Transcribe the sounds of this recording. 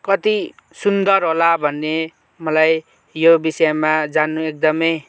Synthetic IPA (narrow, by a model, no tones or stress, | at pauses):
kʌt̪i | sund̪ʌrɦolabʱʌnːe | mʌlaj | jobisʌjmad͡zanːuek̚d̪ʌmʌj